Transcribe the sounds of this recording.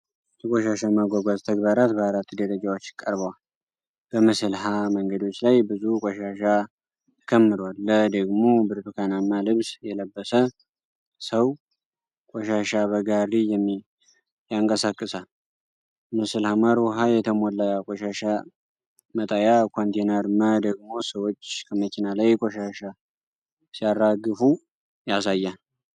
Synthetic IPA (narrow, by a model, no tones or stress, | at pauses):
t̪əkʼoʃaʃamaɡʷaɡʷazt̪ʰəɡbaɾat̪̚bəaɾat̪ːud̪əɾəd͡ʒawot͡ʃːɪ̥kʼːəɾbəwal | b̥əmɨsɨlɦaməŋɡəd̪o̞t͡ʃːlajbɨzukʼoʃaʃa | kʰəmːɨd̪alːəd̪əɡmo̞bɨɾt̪ukʰanamːalɨβsjɛləbːəsə | səw | kʼoʃaʃaβəɡarijɛmː | jaŋkʼəsakʼːɨsa | mɨsɨlhamaɾwɔɦajɛt̪ʰəmolːakʼoʃaʃa | mət̪ʼajakʰont̪ʰenəɾɨmːad̪əɡmo̞səwot͡ʃːkʰəməkinalajkʼoʃaʃa | sijaraɡːɨfu | jasajːa